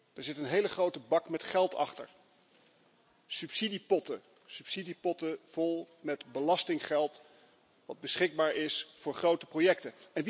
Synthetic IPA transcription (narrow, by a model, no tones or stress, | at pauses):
d̥aːɹzɪtənɦejləχrowtəbɑkmɛtχɛlˠtɑ̰χtə̰ɹ | sʉpsidipɔtə | sypsidipɔtəv̥ɔlˠ | mɛdbəlɑstɪŋχɛlˠt | ʋɑd̚bəsχɪɡ̚baːɹʔɪsfʊːɹχrowtəprojɛk̚təɛnʋ